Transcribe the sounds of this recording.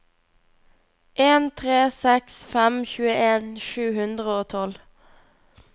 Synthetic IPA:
ʔeːnt̪ʰʁeːsɛksfɛmçʉːəʔeːnʃʉːhʉnd̪ʁəoːt̪ʰɔl

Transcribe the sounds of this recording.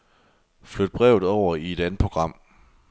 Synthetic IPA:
flød̥̚b̥ʁɛʊð̩ˠɒʊ̰ɐie̝d̥ænð̩ˠpʰʁo̝ɡ̥ʁɑ̈m̰

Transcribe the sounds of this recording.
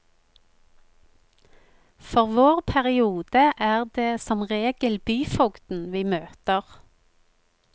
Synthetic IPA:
fɔʁʋoːʁpʰæʁɪuːd̪̥əʔæːʁd̪eːsɔmʁeːɡ̥əlbyːfɔɡd̪̥n̩ʋiːmøːt̪əʁ

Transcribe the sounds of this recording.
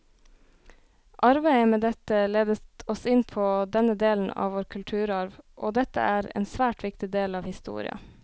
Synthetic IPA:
ʔɑɾbæɪəmeːd̪ɛt̪əleːd̪əɔsɪnpʰoːd̪ɛnəd̪eːln̩ɑ̰ːʋoːɾkʰʉlʈ̪ʰʉːɾɑɾʋʔoːd̪ɛt̪ə̰ʔæːɾḛːnsʋæːʈʋɪkt̪ɪd̪eːlɑːʋhɪst̪ṵːɾɪ̰ɑ̰

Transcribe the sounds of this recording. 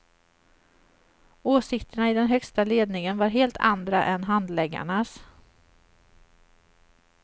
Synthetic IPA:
oːsɪkt̪əɳaɪd̪ɛnɦœkst̪aleːd̪nɪŋənvaɾɦeːlt̪ʰa̰nd̪ɾaʔɛnɦand̪lɛɡːa̰ɳas

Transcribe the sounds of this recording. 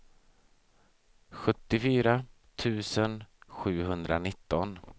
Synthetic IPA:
ɧɵt̪ːɪfyːɾa | t̪ʰʉ̟ːsənɧʉ̟ːɦɵnd̪ɾanɪt̪ːɔn

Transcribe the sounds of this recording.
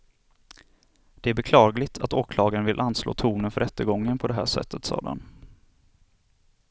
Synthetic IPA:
d̪̥ɛæɾbɛkʰlɑːɡlɪt̪ʰat̪oːkʰlɑːɡaɾənvɪlʔanːslo̰ːt̪ʰuːnənfœɾɛt̪ːəɡɔŋːənpʰɔd̪ɛɦæ̰ːʂɛ̰t̪ːət̪sɑ̰ːd̪ɛ̰n

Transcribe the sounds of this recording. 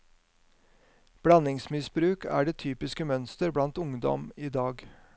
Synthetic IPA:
b̥ɽɑnɪŋsmɪsbɾʉːkæ̰ːɖeːt̪ʰyːpɪskəmœnst̪əɾbɽɑnt̪ʊŋd̪ɔ̰miːd̪ɑːɡ

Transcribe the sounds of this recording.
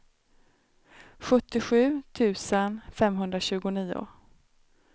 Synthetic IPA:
ɧɵt̪ːɪɧʉ̟ːt̪ʰʉ̟ːsənfɛmɦɵnd̪ɾaɕʉ̟ːɡʊniːʊ̰

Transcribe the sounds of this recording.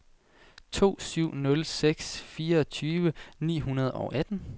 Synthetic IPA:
t͡sʰo̝̰ːsyʊ̰nɔ̽lseɡ̥sfiːɐɒ̽t͡sʰyːʋənḭːɦunɐð̞ˠɒʔæd̥n̩

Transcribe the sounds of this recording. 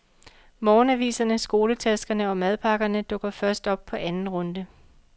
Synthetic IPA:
mɒːnæʋḭːsɐnəsɡ̥o̝ːlət͡sʰæsɡ̥ɐnəɒ̽mæð̞ˠpʰɑ̈ɡ̥ɐnəd̥ɔ̽ɡ̥ɐfɶɐsd̥ɒ̽b̥̚pʰɒ̽ʔænn̩ʁɔ̽nd̥ə

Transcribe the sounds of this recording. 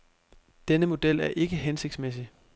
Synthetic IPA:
d̥enəmo̝d̥el̰æɐʔe̝ɡ̥əɦense̝ɡ̥d̥smes̬i

